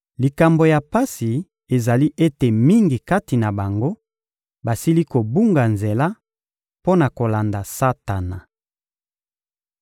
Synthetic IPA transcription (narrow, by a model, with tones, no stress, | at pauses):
li˨ka˨mbo˨ja˨pa˦si˨ | e˨za˨li˦ʔe˦te˨mi˦ŋɡi˨ka˦ti˨na˨ba˨ŋɡo˦ | ba˨si˦li˦ko˨bu˦ŋɡa˨nze˨la˦ | po˦na˨ko˨la˨nda˨sa˦ta˨na˨